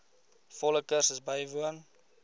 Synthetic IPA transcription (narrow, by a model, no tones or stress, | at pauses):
fɔləkərsəsbəjvuən